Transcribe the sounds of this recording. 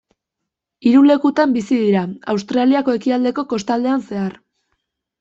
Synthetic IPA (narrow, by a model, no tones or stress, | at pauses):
iɾule̞kut̪ambisiðiɾaa̰wst̪ɾaliako̞e̞kiald̪e̞ko̞ko̞st̪ald̪e̞anse̞aɾ